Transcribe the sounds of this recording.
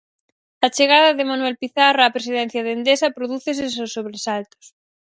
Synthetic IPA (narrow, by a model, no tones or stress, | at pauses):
at͡ʃeɣ̞aðaðemanuwɛlpiθaraːpɾesiðɛn̟θjaðend̪esapɾoðuθes̬es̬osːoβɾesalt̪o̥s